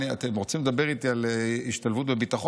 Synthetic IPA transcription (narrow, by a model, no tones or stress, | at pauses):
nia̰t̪e̞mʁot͡simled̪abeʁit̪ialiʃt̪alvut̪̬bebit̪aχo